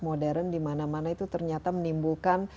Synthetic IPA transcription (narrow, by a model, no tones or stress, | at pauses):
modɛɾəndimanamanait̪ut̪ərɲat̪amənimbulkan